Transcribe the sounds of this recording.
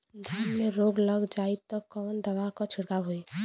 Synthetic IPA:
d̪ʱjanmeɾoɡləɡd͡ʒait̪ɔkːɔnd̪əʋakɔt͡ʃʰuɽkaɦoi

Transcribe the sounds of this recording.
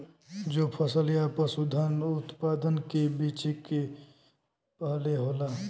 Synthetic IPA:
d͡ʒoːpʰəsəlijapəsud̪ʱaːnʊt̪paːd̪ənkebiːt͡ʃike | pəɦleɦoːlaː

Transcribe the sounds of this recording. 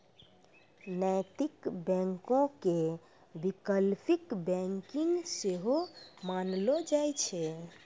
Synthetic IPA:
nɛjt̪ikbɛ̃ŋkõke | bikəlpʰikbɛ̃ŋkiŋɡseɦomanlod͡ʒajt͡ʃʰɛ

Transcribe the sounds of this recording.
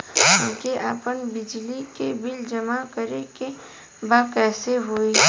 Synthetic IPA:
aːkeʔaːpənbɪd͡ʒlikebɪld͡ʒɐmakəɾeke | baːbkɛːseɦuiː

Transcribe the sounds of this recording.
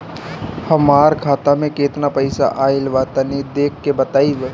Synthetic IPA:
həmaːɾkʰaːt̪amẽkeːt̪napəɪsa̰ʔaːɪlʋaːt̪anid̪eːkʰːebət̪aːiʋ

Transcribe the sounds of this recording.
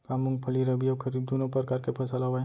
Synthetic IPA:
kaːmʊ̃ŋɡ̚pʰɐliɾɐbijakɐɾiːb̚d̪onõpɐɾkaːɾkepʰɐsəlaʋa

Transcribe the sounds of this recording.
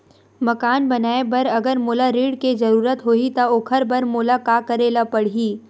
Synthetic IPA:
mɐkaːnbɐnaːebɐɾɐɡəɾmoːlaɾiːɽkezɐɾuːɾət̪ɦoːit̪ɐoːkʰəɾbɐɾmoːlakaːkɐɾeːlapɐɽ̤ɦiː

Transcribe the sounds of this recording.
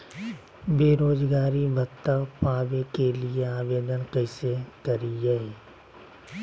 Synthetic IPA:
beːɾoːd͡ʒɡaːɾibʱət̪apaːʋekelɪeaːʋeːd̪ənkəɪsekəɾid͡ʒaiː

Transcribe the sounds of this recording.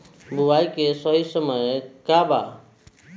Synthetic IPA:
bʱuwajkesʌɦisʌmɔjekaba̰

